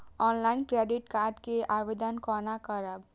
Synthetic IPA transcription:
ɔnlainkɾeɖiʈkaɾɖkeʔabed̪ənkɔɾnakəɾəb

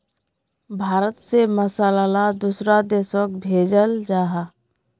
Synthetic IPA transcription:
bʱaːɾət̪seməsaːlalad̪uːsɾad̪eːsək̚bʱeːd͡ʒəld͡ʒaːɦa

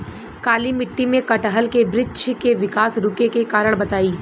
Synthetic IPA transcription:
kaːlimɪʈːimẽkɐʈɦəlkebɾɪdʃʰkeʋɪkaːsɾʊkekekaːɾəɽ̃bɐt̪aːiː

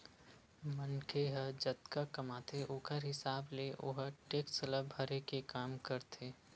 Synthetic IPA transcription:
mənkʰeɦəd͡ʒɐt̪kakɐmaːt̪ʰeʔoːkəɾɦɪsaːbleʔo̰ɦəʈeːksələbʱəɾekekaːmkəɾt̪ʰeː

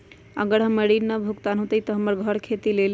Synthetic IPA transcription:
əɡəɾɦəmeɽinəbʱukt̪anɦot̪əjt̪ɔɦəməɾɡʱəɾkʰet̪ilel

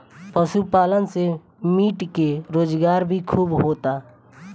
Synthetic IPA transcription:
pəʃupaːlənse | miːʈkeɾoːd͡ʒɡaːɾbʱikʰuːbɦoːt̪aː

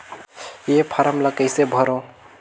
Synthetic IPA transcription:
jepʰaɾəmləkəɪsebʱəɾõ

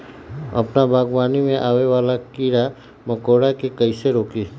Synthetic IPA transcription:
ɐ̰pnabaːɡwaːnimẽʔaːweʋaːlakiːɾa | mɐkoːɽakekəiseɾoːkiː

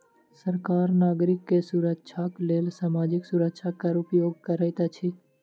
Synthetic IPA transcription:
səɾkaːɾnaːɡɾɪkːesuɾəkʃʰakleːlsaːmaːd͡ʒɪksuɾəkʃʰakəɾʊpjoːɡ̚kəɾəjt̪at͡ʃʰi

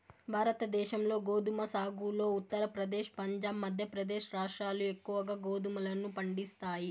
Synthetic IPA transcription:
bʱaːɾɐt̪ɐd̪ɛːʃɐmlo̞ːɡoːd̪umɐsaːɡuːlo̞ːut̪ːɐɾɐpɾɐd̪ɛːʃpɐɲd͡ʒaːbmːɐd̪ʱjɐpɾɐd̪ɛːʃɾaːʂʈɾaːluekːuʋɐɡaːɡoːd̪umɐlɐnːupɐɳɖist̪aːji

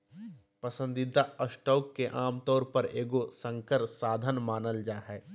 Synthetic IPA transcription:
pəsə̃nd̪ɪd̪ʱaəsʈɔːkːeʔaːmt̪ɔːɾpɐɾeːɡosə̃ŋkəɾsaːd̪ʱənmaːnəld͡ʒaːɦɛː

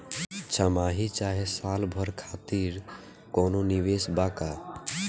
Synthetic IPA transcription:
t͡ʃʰəmaːɦit͡ʃaːɦesaːlbʱɔɾkʰaːt̪iːɾ | kɔːnoniʋeːsbaːkaː

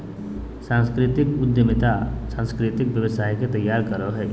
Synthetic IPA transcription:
sãːnskɾɪt̪ɪkʊd̪jəmɪt̪asãːnskɾɪt̪ɪkbjəʋəsaːiket̪ɐjːaːɾkəɾəɦɛ

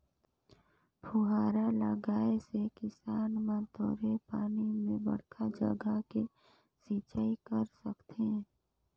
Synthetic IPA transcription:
pʰʊɦaːɾaləɡaːesekɪsaːnmãt̪oːɾepaːnimẽbə̰ɽ̤kʰad͡ʒə̰ɡəke | siːt͡ʃaːikəɾsəkt̪ʰeɛ

